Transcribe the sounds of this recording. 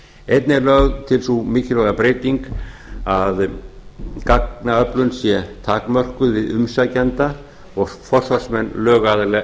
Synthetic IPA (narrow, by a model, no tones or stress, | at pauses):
ejt̪nɪlœɣðt̪ʰɪlsumɪːcɪlɔɣapɾeːjt̪iŋkað | kak̚naœplʏnsjɛt̪ʰaːkmœr̥kʏðvɪðʏmsacant̪a | ɔɣfɔr̥svarsmɛnːlœːɣaːðɪlɛɣ